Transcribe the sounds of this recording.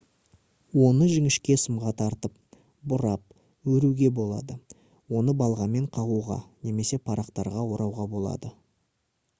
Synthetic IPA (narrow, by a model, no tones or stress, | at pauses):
wo̞nəʒɪŋɪʃkʲe̞səmʁɑt̪ʰɑɾt̪əp̚ | bʊɾɑp̚ | wɵɾuɡʲe̞bo̞lˠɑ̰d̪ə | wo̞nəbɑlˠʁɑme̞ɴqʰɑʁuʁɑ̰ne̞me̞se̞pʰɑɾɑqt̪ɑɾʁɑwo̞ɾɑwʁɑbo̞lˠɑ̰d̪ə